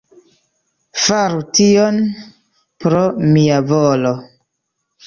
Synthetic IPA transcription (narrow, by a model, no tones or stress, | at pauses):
faɾution | pɾomiavolo̞